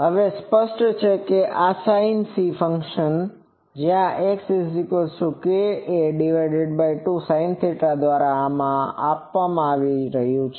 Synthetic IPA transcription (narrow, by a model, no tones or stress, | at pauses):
ɦəʋespəʃʈt͡ʃʰekeʔasainsifəŋkʃən | d͡ʒjãʔeksesikolsukeeɖiʋajɖeɖbajʈusajnsiʈɾad̪ʋaɾaːmãapʋamãaʋiɾəɦjũt͡ʃʰe